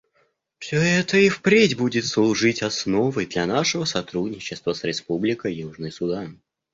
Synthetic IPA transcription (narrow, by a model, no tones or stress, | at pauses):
fsʲoɛt̪əifpɾʲedʲbudʲɪt̪slˠuʐɨtʲasnovəjd̪lʲɐnaʂəvəsɐt̪ɾudʲnʲɪt͡ɕɪst̪vəsɾʲɪspublʲɪkəjjuʐnɨjsʊd̪an